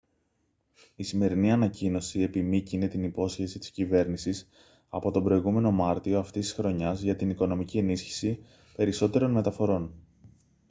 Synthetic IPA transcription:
isime̞ɾiniɐnɐcino̞sie̞pimicine̞t̪inipo̞sçe̞sit̪i̥scive̞ɾnisis | ɐpo̞t̪o̞bɾo̞iɣume̞no̞mɐɾt̪io̞ɐft̪ist̪isxɾo̞ɲɐzʝɐt̪iniko̞no̞micie̞nisçi̥si | pe̞ɾiso̞t̪e̞ɾo̞nme̞t̪ɐfo̞ɾo̞n

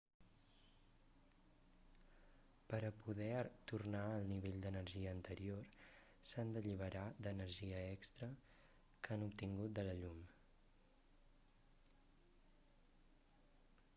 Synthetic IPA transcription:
pəɾəpuðɛt̪urnaəlˠniβ̞eʎʲd̪ənəɾʒiəːnt̪əɾior | sand̪əʎiβ̞əɾad̪ənəɾʒiəɛkst̪ɾə | kanup̚t̪iŋɡut̪̚d̪ələʎum

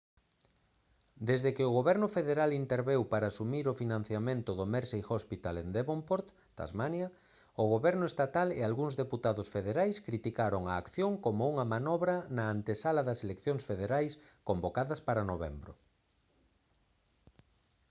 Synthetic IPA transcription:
d̪ezðekɪʊɣoβɛɾnʊfeðeɾalint̪eɾβewpaɾaːsumiɾʊfinãn̟θjamẽnt̪ʊðomeɾsejxospit̪alend̪eβompoɾt̪ | d̪̥a̰zmanjɐ | ʊɣoβɛɾnʊest̪at̪alḛalɣuŋzðeput̪aðʊsfeðeɾajskɾit̪ikaɾʊŋaːkθjoŋkomʊuŋɐmanɔβɾɐnɐːnt̪esalɐðɐselekθjoŋsfeðeɾajskombokaðɐspaɾanoβɛ̰mbɾʊ̰

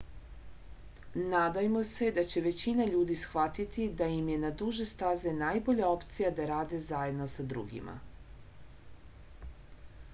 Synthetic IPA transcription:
naːd̪ajemo̞se̞d̪at͡ɕe̞ʋe̞t͡ɕinaʎuːd̪isxʋat̪it̪id̪ajimje̞nad̪uʒe̞st̪aze̞naːjbo̞ʎao̞pt̪sijad̪aɾaːd̪e̞zaje̞d̪nosad̪ɾṵɡḭma̰

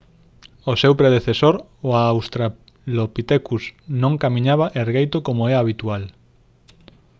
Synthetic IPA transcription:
osewpɾeð̞eθesoɾ | oaːwst̪ɾa | lopit̪ekusnõŋkamĩɲaβaʔeɾɣejt̪okomoɛaβit̪ual

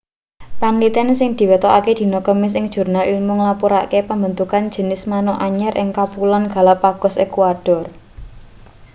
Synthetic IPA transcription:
panlit̪ɛnsɪŋd̪̥i̤wet̪ɔʔaked̪̥i̤nokəmɪs̬ɪŋd̥ʒ̥ṳrnalilmʊŋlapuɾa̰kepambənt̪ukand̥ʒ̥ə̤nɪsmanɔʔaɲɛɾʔɪ̰ŋkapulɔnɡ̥a̤lapaɡ̥ɔ̤sekuad̥ɔ̤r

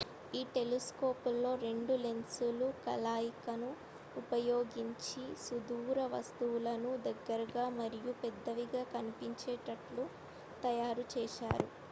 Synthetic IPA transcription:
iːʈe̞liskoːpulːo̞ːɾe̞ɳɖulensulukɐlaːjikɐnuː | pɐjo̞ːɡiɲt͡ʃisud̪uːɾɐʋɐst̪uwulɐnud̪ɐɡːɐɾɐɡaːmɐɾijupɛd̪ːɐʋiɡaːkɐnipiɲt͡ʃɛːʈɐʈlu | t̪ɐjaːɾut͡ʃɛːʃa̰ːɾu

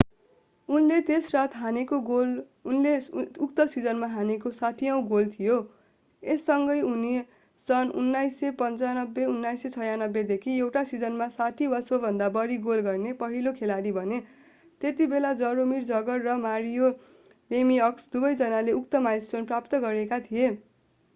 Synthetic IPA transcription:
unlet̪esrat̪ʰɦanekoɡol | nleuk̚t̪ʌsid͡zʌnmaɦanekosaʈʰijʌw̃ɡolt̪ʰijo | esːʌŋɡʌjuni | sʌnṵnːajsepʌnt͡sanʌbːeunːajset͡sʰʌjanʌbːed̪ekʰiewʈasid͡zʌnmasaʈʰibʌsobʱʌnd̪abʌɾiɡolɡʌrnepʌɦilokʰelaɾibʱʌne | t̪et̪ibelad͡zʌɾomird͡zʌɡʌrːʌmaɾijo | remiʌksd̪ubʌjd͡zʌnaleukt̪ʌmajsonprapt̪ʌɡʌɾekat̪ʰije

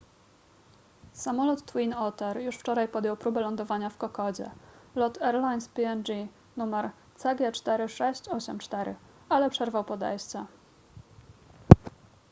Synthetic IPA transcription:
samɔlut̪ːwinɔt̪ɛɾjuʂft͡ʂɔɾajpɔd̪jɔwpɾubɛlɔnd̪ɔvaɲafkɔkɔd͡ʑɛ̰lɔt̪ɛɾlajnspʲiɛnd͡ʑi | numɛɾ | t̪saɡʲjɛt͡ʂt̪ɛɾɘʂɛɕt͡ɕɔɕɛmt͡ʂt̪ɛɾɘ̰ | alɛpʂɛɾvawpɔd̪ɛ̰jst̪sa

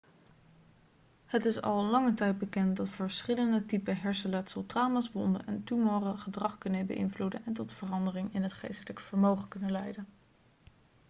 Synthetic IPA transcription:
hətɪsɑ̰lˠlɑŋətɛjt̚bəkɛnt̚dɑtfəɹsχɪləndətipəɦɛɹsəlɛtsəlˠtraːmasʋɔndə̰nʔɛntumoːrəχədrɑχkɵnəbə̰ʔɪ̰nvludə̰nɛntɔtfərɑndərɪŋɪnɦətχḛjstələkəv̥əɹmowχəkɵnəlɛjdən

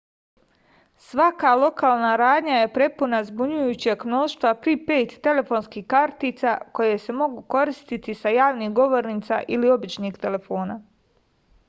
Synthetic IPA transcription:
sʋakalˠo̞kaːlˠnaɾaːd̪ɲaje̞pɾe̞punazbuɲujuːt͡ɕeɡmno̞ːʃt̪ʋapɾipe̞ːt̪ːe̞le̞fo̞ːnskiːhkaɾt̪iːt̪sako̞jese̞mo̞ɡuko̞ɾist̪it̪isajaːʋnixɡo̞ʋo̞ɾniːt̪sa̰ʔilio̞bit͡ʃniːkt̪e̞le̞fo̞ːna

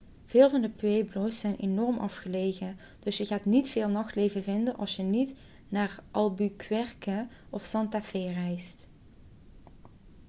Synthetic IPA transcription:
v̥ɪːlˠvɑndəpʋejblojsːɛjnʔenɔɹmʔɑfχəlejɣən | d̥ɵsjəɣaːtnitfeːlˠnɑxtlejvəvɪndənʔɑ̰lˠsjənit | naːrʔɑlˠbykʰʋɛrkə | ɔfsɑntafeːrɛjst

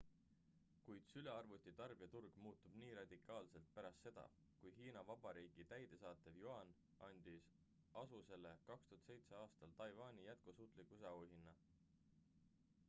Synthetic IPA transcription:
kujd̪̥syle̞ɑrvut̪ʲːˑit̪ɑrb̥iɑt̪urɡ̥muːt̪ːˑub̥niːɾɑd̪̥ikˑɑːlse̞lt̪̚pæɾɑst̪ːse̞d̪̥ɑ̰ | kujɦiːnɑvɑb̥ɑɾiːɡ̥it̪æjd̪̥e̞sɑːt̪ˑevjuɑn | ʔɑnʲd̪̥is | ɑsuse̞le̞kɑkst̪uhɑt̪sejt̪seɑːst̪ɑlt̪ɑjvɑːnʲijæt̪̚kusuːt̪ˑlikːˑusɑuhinːɑ

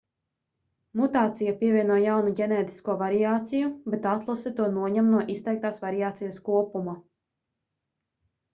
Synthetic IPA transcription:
mut̪aːt̪sijapiɛvʲiɛnuɔjawnuɟʲenɛːt̪i̥skuɔvaɾijaːt̪sijubet̪at̪lˠasɛt̪uɔnuɔɲamnuɔʔist̪ɛjk̚t̪aːsvaɾiaːt̪sijaskuɔpuma

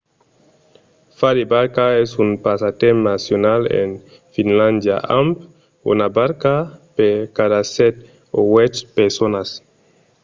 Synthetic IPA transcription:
fadibaɾkaesunpasat̪emnasjonalḛn | finland̪ja̰ʔamp | ṵnabaɾkapeɾkadasɛt̪̚ | owɛt͡ʃpeɾsonas

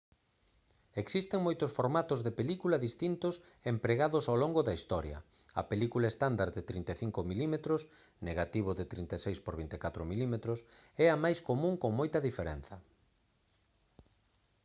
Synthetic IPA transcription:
eksist̪eŋmojt̪ʊsfoɾmat̪ʊzðepelikulɐðist̪int̪ʊs | empɾeɣaðʊsawloŋɡʊðɐist̪ɔɾjɐ̰ | ɐ̰pelikulaest̪and̪aɾðet̪ɾint̪eθiŋkomilimet̪ɾʊs | neɣat̪iβ̞ʊðɪt̪ɾint̪esejspoɾβint̪ekat̪ɾʊmilimet̪ɾʊsɛɐmajskomũŋkoŋmojt̪ɐðifeɾɛnθɐ

